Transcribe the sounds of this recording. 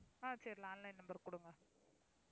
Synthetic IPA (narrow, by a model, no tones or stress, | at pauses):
aːsɐɾlãːnlɐɪnɐmbɐɾkːʊɽɯŋɡɐ